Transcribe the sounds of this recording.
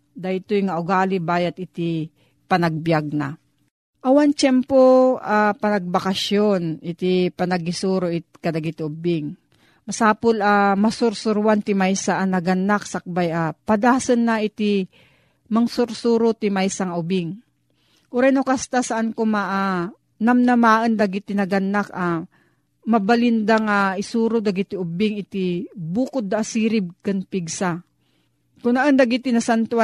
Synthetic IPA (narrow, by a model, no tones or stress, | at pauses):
d̪aɪt̪ojŋaʔʊɡaːlɪbaːjɐt̪ɪt̪ɪ | pɐnɐɡ̚bjaɡ̚na | ʔɐwant͡ʃɛmpoʔapɐnɐɡ̚bakaʃjonʔɪt̪ipɐnɐɡɪsuːɾoʔɪt̪̚kɐd̪ɐɡɪt̪ɪʊbɪŋ | mɐsaːpolamɐsʊɾsʊɾwant̪ɪmajsaʔanɐɡɐnːaksɐk̚bajapad̪aːsɐnːaʔɪt̪ɪ | maŋsʊɾsuːɾʊt̪ɪmajsaŋaʔʊbɪŋ | ʔʊɾajnokast̪asaʔankomaʔa | namnamaːʔənd̪aɡɪt̪ɪnɐɡanːaka | mɐbalɪnd̪aŋaɪsuːɾʊd̪aɡit̪ɪʊbɪŋɪt̪ibuːkʊd̪ːaʔːsiːɾɪb̚ɡanpɪɡsa | kʊnaʔənd̪aɡit̪ɪnɐsant̪wa